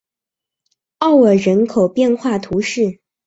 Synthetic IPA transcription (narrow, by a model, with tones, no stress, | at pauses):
ɑ˥˩ʊə˨˩ɻə˧˥nkʰo˨˩ʊpjɛ˥˧nxwa˥˩t̪ʰu˧˥ʂɻ̩˥˩